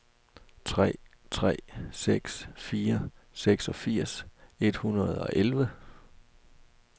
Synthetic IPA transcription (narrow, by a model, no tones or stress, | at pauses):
t͡sʰʁɛ̰ː | t͡sʰʁɛ̰ːseɡ̥sfiːɐseɡ̥sɒ̽fiɐ̰se̝d̥hunɐð̞ˠɒ̽ʔelʋə